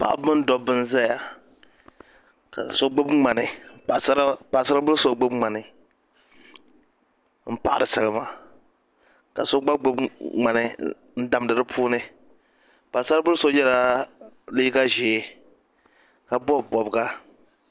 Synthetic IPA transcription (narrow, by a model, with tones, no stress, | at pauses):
pa̰˨ʔa̰˦bɨ˦n˦dɔ˦bɨ˦nza˦ja˨ | ka̰˨so˦ɡ͡bo˦bŋ͡ma˨nɨ˨a˨sa˦pa˨sa˦ɾa˦bʊ˦lso˦ɡ͡bo˦bŋ͡ma˨nɨ˨ | m̩˦pa˨ʔa̰˨dɨ˨sa˦lɨ˦ma˦ | ka̰˨so˦ɡ͡ba˦ɡ͡bo˦bŋ͡ma˨nɨ˦ | n̩˦da˨m˨dɨ˨ɾɨ˦pʰuː˦nɨ˦ | pa˨sa˦ɾbʊ˦lso˦jɛ˦la˦ | li˦ɡa˦ʒeː˨˦ | ka˨bɔ˦bbɔ˨bɡa˦